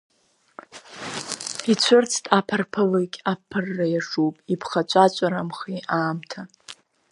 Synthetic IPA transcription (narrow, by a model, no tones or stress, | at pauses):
it͡ɕʷʰʊrt͡sʰtʼapʰarpʰɨlɨkʲʼapʰːɨrːajaʂupʼipʰχat͡ʃʷʼat͡ʃʷʼaɾamχiaːmtʰa